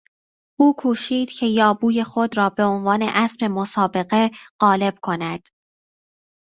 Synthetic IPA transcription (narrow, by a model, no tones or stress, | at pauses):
ʔuːkʰuːʃiːd̪̥cʰe̞jɒːbuːje̞xo̞d̪rɒːbe̞o̞nvɒːne̞ʔæspe̞mosɒːbe̞ɣe̞ɢ̥ɒːle̞b̥̚kʰo̞næd̪̥